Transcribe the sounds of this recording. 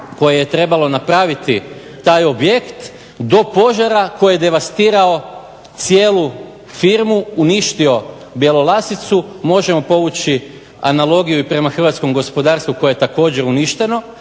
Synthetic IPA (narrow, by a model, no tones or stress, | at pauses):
ko̞jejet̪ɾe̞balˠo̞napɾaːʋit̪i | t̪ajo̞bje̞kt̪ | d̪o̞po̞ʒaɾako̞jjed̪e̞ʋast̪iːɾao̞ | t̪sje̞ːlu | fiɾmuuniʃt̪io̞ | bje̞lˠo̞lˠasit̪sumo̞ʒe̞mo̞po̞ʋut͡ɕi | a̰nalˠo̞ɡijuipɾe̞maxr̩ʋat̪sko̞mɡo̞spo̞d̪aːɾst̪ʋukojejet̪ako̞ːd͡ʑe̞ɾuniʃt̪e̞no̞